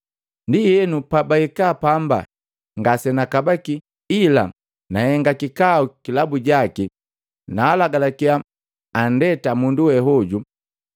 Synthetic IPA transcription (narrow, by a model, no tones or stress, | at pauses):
ndijɛnupabaikaːpamba̰ | ŋɡasɛnakabaki | ila̰ | nahɛŋɡakikaukilabuɟaki | naːlaɡalakia | andɛtamunduwɛɦɔɟu